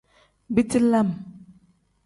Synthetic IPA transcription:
bi˦ti˦la˦m

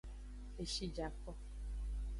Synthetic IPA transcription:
e˨ʃi˦d͡ʒa˨kɔ˦

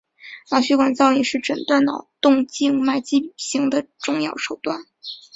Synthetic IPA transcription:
nɑ˨˩ʊɕy˥kwa˨˩nt͡sɑ˥˧ʊi˥˩ʂɻ̩˥˩ʈ͡ʂə˨˩nt̪wa˥˩nnɑ˨˩ʊt̪ʊ˥˧ŋt͡ɕi˥˧ŋma˥˩ɪt͡ɕi˥˩ɕi˧˥ŋd̪ə˨ʈ͡ʂʊ˥˧ŋjɑ˥˩ʊʂo˨˩ʊt̪wa˥˩n

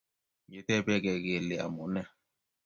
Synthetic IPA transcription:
je˨tɛ˦bɛ˦ɡɛ˨ɡe˨le˨a̰˨mu˨nɛ˦

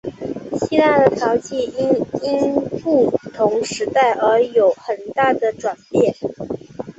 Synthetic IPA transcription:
ɕi˥la˥˩d̪ə˩t̪ʰjɑ˧˥ʊt͡ɕi˥˩i˥ni˥npu˥˩t̪ʰʊ˧˥ŋʂɻ̩˧˥t̪a˥˩ɪʔə˞˧˥jo˨˩ʊxə˨˩nt̪a˥˩d̪ə˩ʈ͡ʂwa˨˩npjɛ˥˩

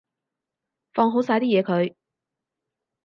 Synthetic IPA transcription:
fɔː˧ŋɦo˨˥wsaː˧jt̪iː˥jɛː˨˧kʰɵ˨˧ɥ

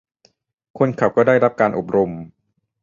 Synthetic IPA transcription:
kʰo˧nkʰa˨˩p̚kɔː˥˩daː˥˩jɾa˦˥p̚kaː˧nʔo˨˩p̚ɾo˧m

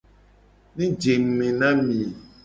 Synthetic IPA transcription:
nĩ˦d͡ʒe˨m̩˨mẽ˨nã˦mĩ˨

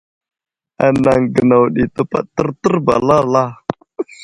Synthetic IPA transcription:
a̰˨na˨ŋɡə˨na˨wɗi˨t̪ə˦pa̰˦ʔt̪ə˦ɾt̪ə˦rba̰˨la˦la˦

